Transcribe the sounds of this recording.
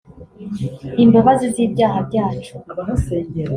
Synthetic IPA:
imbaβazibɟiːbɟaːɦabɟaːt͡ʃu̥seɲ

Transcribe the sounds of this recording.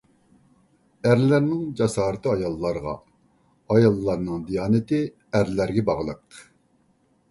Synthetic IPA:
æɾlæɾnɪŋd͡ʒɑsɑːɾɨt̪ɨɑjɑlˠːɑɾʁɑ̰ | ɑjɑlˠːɑɾnɨŋd̪ijɑːnɪt̪ɪ | æɾlæɾɡʲɛbɑʁlˠəq

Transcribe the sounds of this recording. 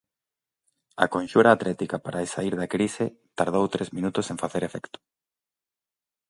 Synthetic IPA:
ɐ̰kõnʃuɾaːt̪lʔɛt̪ikapaɾʔaesaiɾðakɾise | t̪aɾð̞owt̪ɾezmĩnut̪ʊsẽɱfaθeɾefɛkt̪ʊ̥

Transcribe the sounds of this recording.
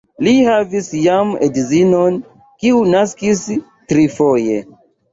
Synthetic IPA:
lihavisjamedizinon | kiunaskis | tɾifo̞jḛ

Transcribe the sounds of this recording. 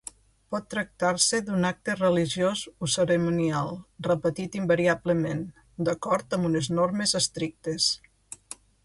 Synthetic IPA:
pɔt̪ːɾək̚t̪aɾsəd̪unak̚t̪ərəliʒiozosəɾəmonialˠrəpət̪it̪imbəɾiabləmen | d̪əkɔɾt̪əmbuneznoɾmezəst̪ɾik̚t̪es

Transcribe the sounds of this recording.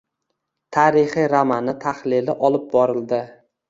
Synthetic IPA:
t̪ʰaɾɪχiɾamanɪt̪ʰaχlɪlɪʔɒlˠɪp̚bɒɾɪld̪ɪ

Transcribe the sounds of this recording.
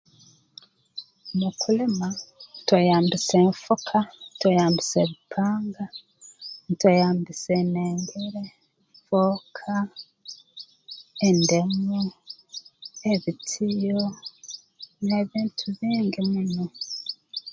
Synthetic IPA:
mukʰulematwajaːmbiseɱfokʰantwejaːmbiseβipʰaːŋɡa | ntwejaːmbiseneːŋɡeɾe | ɱfokʰa | ende̞mu | eβitʰijo | neβiːntʰuβiːŋɡimuno

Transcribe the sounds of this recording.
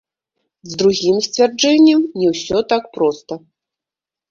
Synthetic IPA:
zd̪ɾuɣʲimsʲt͡sʲvʲard͡ʐɛnʲːɐmnʲɛwsʲɔt̪akpɾɔst̪ɐ

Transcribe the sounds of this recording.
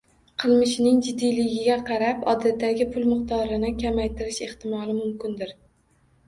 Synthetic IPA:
qʰɨlˠmɪʃnɪŋd͡ʒɪd̪ːijlɪɡʲɪɡʲaqʰɑɾapɒd̪at̪ːaɡʲɪpʰʊlˠmʊqt̪ʰɒɾɪnɪkʲʰamajt̪ɪɾɪʃe̞χt̪ɪmɒlˠɪmʊmkʲɪnd̪ɪɾ

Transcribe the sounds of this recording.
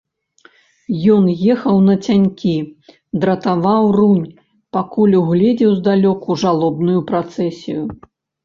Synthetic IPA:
jɔnjɛxɐwnɐt͡sʲanʲkʲi | d̪ɾɐt̪avawrunʲ | pakulʲuɣlʲɛd͡zʲɛwzd̪alʲɔkuʐalˠɔbnujupɾat̪sɛsʲḭju

